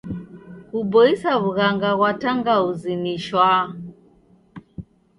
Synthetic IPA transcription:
kubɔisaβuɣaŋɡaɣwataŋɡauziniʃwa

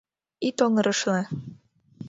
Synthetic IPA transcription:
it̪oŋɤ̆ɾɤ̆ʃle

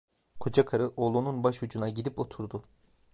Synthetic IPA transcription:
kʰod͡ʒakʰaɾɯʔolˠununbaʃud͡ʒunaɟid̪ipo̞t̪ʰuɾd̪u

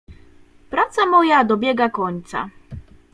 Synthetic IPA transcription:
pɾat̪samɔjad̪ɔbʲjɛɡakɔɲt̪sa̰

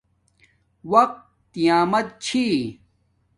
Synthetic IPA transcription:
wɐq̚t̪ː | ijaːmɐt̪̚t͡ɕʰi

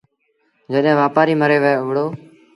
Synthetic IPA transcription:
d͡ʒəɗẽːʋaːpaːɾiːməɾeːʋəeːʊʋɽoː

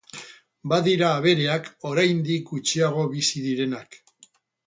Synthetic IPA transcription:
baðiɾaːβe̞ɾe̞ako̞ɾajnd̪ikɡut͡ʃiaɣ̞o̞βisiðiɾe̞nak

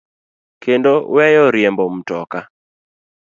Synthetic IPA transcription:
kendowɛjɔɾjembom̩tɔka

